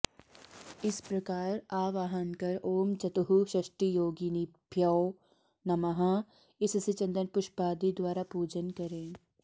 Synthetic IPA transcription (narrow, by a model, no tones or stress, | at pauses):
ɪspɾɐkaːɾaːʋaːɦənkɐɾoːmt͡ʃɐt̪ɦuʃɪʃʈijoːɡinipjaː | nɐmɐɦã | ɪsset͡ʃɐ̃nd̪ənpʊʃbaːd̪id̪waːɾapuːd͡ʒənkɐɾẽː